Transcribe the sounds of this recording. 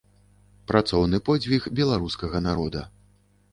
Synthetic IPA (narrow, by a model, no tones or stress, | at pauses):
pɾat̪sɔwnɨpɔd͡zʲvʲixbʲɛlˠaɾuskɐɣɐnaɾɔd̪ɐ̰